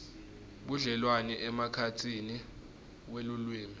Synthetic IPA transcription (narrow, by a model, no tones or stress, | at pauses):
ɓuɮɛlwanɛʔɛmakʰat͡sʰini | welulwiːmi